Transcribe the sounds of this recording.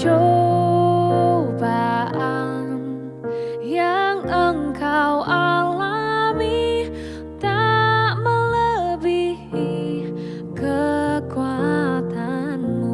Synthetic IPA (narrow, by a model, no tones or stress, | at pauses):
t͡ʃo | baʔan | jaŋəŋkawʔalabi | t̪aʔmələbihi | kəkuat̪ʰanmu